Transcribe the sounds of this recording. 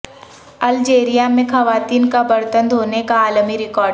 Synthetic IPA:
ɐld͡ʒeːɾijamẽxɐʋaːt̪iːnkabɐɾt̪ə̃nd̪ɦoːnekaːlmiɾɪkɔːɾɖ

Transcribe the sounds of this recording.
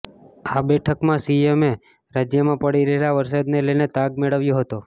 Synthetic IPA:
abɛʈʰəkmãsieme | ɾad͡ʒjəmãpəɽiɾəɦelaʋəɾs̬ad̪neləjnet̪aɡmeɭəʋjoɦət̪o

